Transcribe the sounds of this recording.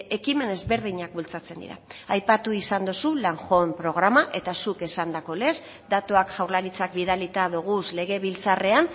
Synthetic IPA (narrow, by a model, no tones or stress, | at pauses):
e̞kime̞ne̞zβe̞ɾð̞iɲak̚bult͡sat͡se̞nd̪ḭɾa̰ajpat̪uisand̪usulaŋʝo̞empɾo̞ɣ̞ɾamaʔe̞t̪asuke̞sand̪ako̞le̞s | d̪at̪oakʝawɾlaɾit͡sak̚biðalit̪aðuɣ̞usle̞ɣ̞e̞βilt͡sare̞an